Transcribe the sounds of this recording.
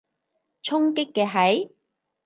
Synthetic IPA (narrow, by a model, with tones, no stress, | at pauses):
t͡ʃʰʊ˥ŋkɪ˥kːɛː˧ɦɐ˨˥j